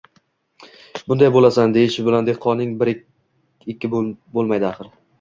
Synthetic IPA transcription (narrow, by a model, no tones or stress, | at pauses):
bʊnd̪ajbolasand̪e̞jɪʃɪbɪland̪e̞qʰːɒnnːɪŋbɪɾ | ɪkʲːɪbolˠmajd̪ɪaχɨɾ